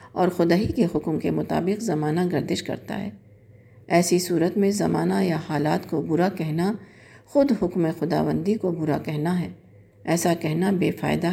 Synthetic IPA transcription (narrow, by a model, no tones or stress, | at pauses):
ɔːɾxʊd̪aːɦikeɦʊkmkemʊt̪a̰ːbɪqzɐmaːnaɡɐɾd̪ɪʃkɐ̰ɾt̪a̰ɦɛ̰ː | ɛːsisuːɾət̪mẽzɐmaːnajahaːlaːt̪kobʊɾakɛɦna | xʊd̪ɦʊkmexʊd̪a̰ːʋə̃nd̪ikobʊɾakɛɦnaɦɛː | ɛːsakɛɦnabeːfa̰ːɪd̪a